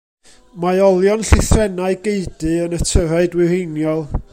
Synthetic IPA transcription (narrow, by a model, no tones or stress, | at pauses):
maɨɔlˠjɔnɬɪθrɛnaɨɡeɨdɨənətʰəɾaɨdwɪrejnjɔlˠ